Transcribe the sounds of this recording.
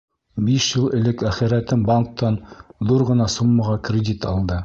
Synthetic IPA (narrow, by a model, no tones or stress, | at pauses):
biʃjɤlˠɘ̆lɘkæχɘ̆ɾæt̪ɘmbaŋk̚t̪ɑnðuɾʁɤ̆nɑsumːɑʁɑkrʲɪdʲit̪ɑlˠd̪ɤ